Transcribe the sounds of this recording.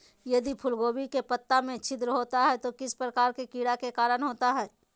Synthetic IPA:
jɐd̪ipʰʊlɡoːbikepət̪ːamẽt͡ʃʰɪd̪ɾəɦoːt̪aɦɛt̪okɪspɾəkaːɾkekiːɽakekaːɾəɽɦoːt̪aɦɛː

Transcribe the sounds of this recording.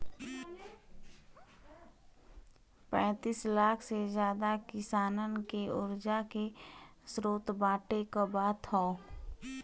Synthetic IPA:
pɛ̃ːt̪iːslaːkʰsed͡ʒjaːd̪akɪsaːnənkeʊɾd͡ʒakesɾoːt̪bãːʈekobaːt̪ʰhoː

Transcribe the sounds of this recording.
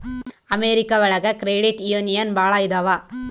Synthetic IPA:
ɐmeɾɪkːɐʋɐɻɐɣɐkɪɾeːɽɪʈijonɪjɐnbaːɭaːjd̪ɐʋaː

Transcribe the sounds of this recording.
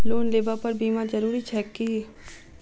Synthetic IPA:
loːnleːbapɐɾbiːmãd͡ʒɐɾuːɾit͡ʃʰɛki

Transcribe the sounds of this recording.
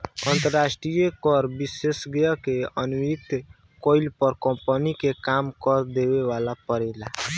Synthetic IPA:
ənt̪əɾːasʈɾijekɔɾbisesɡjəkeənwik̚t̪ | koilpəɾkəmpənikekamkəɾd̪ebewalapəɾɛla

